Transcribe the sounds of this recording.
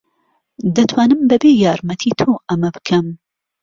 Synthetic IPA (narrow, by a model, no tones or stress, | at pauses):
d̪ɐt̪ʰwaːnɨmbɐbeːjaːɾmɐt̪ʰiːt̪ʰoːʔɐmɐbɨ̥kʰɐm